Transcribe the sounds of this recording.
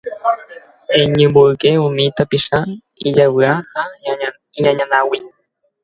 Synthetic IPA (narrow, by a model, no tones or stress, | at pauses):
eɲɨ̃mboɨkeũmĩt̪apiʃa | id͡ʒawɨaha | iɲãɲãnãwi